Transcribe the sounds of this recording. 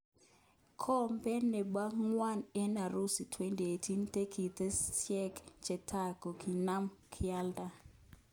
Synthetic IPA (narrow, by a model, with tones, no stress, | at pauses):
kʰɔ˦mpɛ˦nːe˨ba˦ŋŋwa˦nɛ˦na˨ɾu˦si˨tʰwe˦nti˨e˨ti˦nte˦kʰi˨t̪e˦sjɛ˦kt͡ʃɛ˨tʰa˦ko˨kʰi˨na˦mkʰɪa˦lda˨